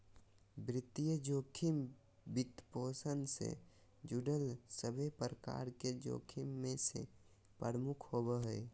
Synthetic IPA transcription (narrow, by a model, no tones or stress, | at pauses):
bɾɪt̪ijəd͡ʒoːkʰim | bɪt̪poːsənsḛ | d͡ʒuɖəlsəbʱepɾəka̰ɾked͡ʒo̰ːkʰimːẽsḛ | pəɾmukʰhobəɦəe